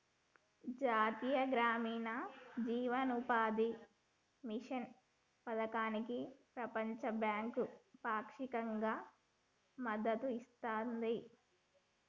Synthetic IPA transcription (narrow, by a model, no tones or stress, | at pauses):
d͡ʒaːt̪ijɐɡɾaːmiːnɐd͡ʒiːʋɐnupaːd̪i | miʂɐn | pɐd̪ɐkaːnikipɾɐpɐɲt͡ʃɐbjaːŋkupaːkʂikɐŋɡaː | mɐd̪ːɐt̪uist̪aːnd̪i